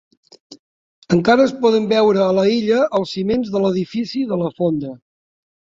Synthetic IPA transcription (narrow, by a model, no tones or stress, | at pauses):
əŋkaɾəːspɔðəmbɛwɾəːləiʎəʔəlˠsːimenzðələðifisiðələfond̪ə